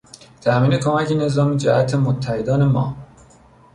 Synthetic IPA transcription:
t̪ʰæʔmiːne̞kʰomæcʰene̞zɒːmid͡ʒæʔæt̪ʰemot̪ʰːæhed̪ɒːne̞mɒ̰ː

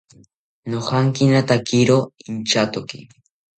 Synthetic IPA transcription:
nohɑŋkinat̪akiɾoint͡ʃat̪okɪ̰

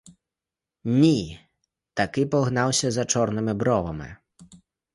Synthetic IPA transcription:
nʲi | t̪akɪpɔɣnawsʲɐzɐt͡ʂɔɾnɨmɨbɾɔvɐmɪ̰

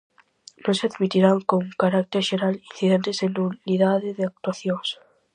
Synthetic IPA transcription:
nõnseaðmit̪iɾaŋkoŋkaɾak̚t̪eɾʃeɾalin̟θiðent̪esenuniðaðeðeak̚t̪waθjoŋs

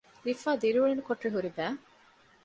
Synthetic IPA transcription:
lifaːd̪iɾuuɭenukoʈɾiɦuɾibæː

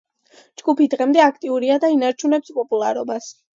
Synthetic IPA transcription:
d͡ʒɡupid̪ʁɛmd̪ɛakʰt̪ʼiuɾiad̪ainaɾt͡ʃʰunɛpspʼɔpʼulˠaɾɔbas

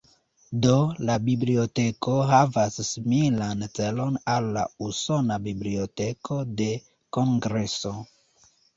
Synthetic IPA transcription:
do̞labiblio̞teko̞ɦavasːimilant͡se̞lo̞nalːa̰uso̞nabibliote̞kʰo̞de̞ | ko̞ŋɡɾe̞so̞

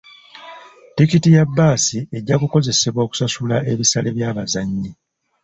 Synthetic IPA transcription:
tikitijabːaːsie̞ɟːakuko̞ze̞se̞βwoːku̥sasulaʔe̞βisaleβjaːβazaɲːi

